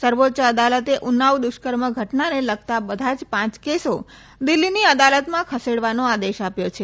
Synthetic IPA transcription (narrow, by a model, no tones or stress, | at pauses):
səɾʋotːt͡ʃəəd̪alət̪eʔunaʋd̪ʊʃkəɾməɡʱəʈnaneləɡ̚t̪abəd̪ʱad͡ʒpãt͡ʃkeso | d̪ɪlːiniəd̪alət̪mãkʰəseɽʋanoad̪eʃapjot͡ʃʰe